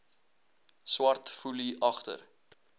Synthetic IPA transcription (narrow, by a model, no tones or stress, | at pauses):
swɐrtfuliʔɐχtə̰r